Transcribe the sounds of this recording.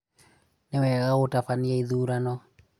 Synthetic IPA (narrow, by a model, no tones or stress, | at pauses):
nɛwɛɣaɣotafaniaiðuɾanɔ